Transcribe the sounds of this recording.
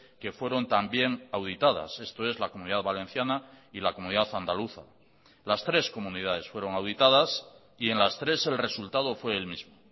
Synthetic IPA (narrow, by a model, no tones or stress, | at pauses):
ke̞fwe̞ɾo̞nt̪ambje̞ŋawð̞it̪aða̰se̞st̪o̞e̞zlakomũniðaðβale̞n̟θjana | ilakomũniðaθand̪aluθa̰ | last̪ɾe̞sko̞munið̞að̞e̞sfwe̞ɾo̞ŋawðit̪að̞as | ie̞nlast̪ɾe̞se̞lre̞sult̪að̞ofwe̞ːlmizmo